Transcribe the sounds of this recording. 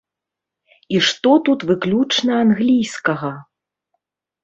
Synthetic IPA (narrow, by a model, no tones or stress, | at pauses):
iʂt̪ɔt̪ut̪vɨklʲut͡ʂnɐanɣlʲijskɐɣɐ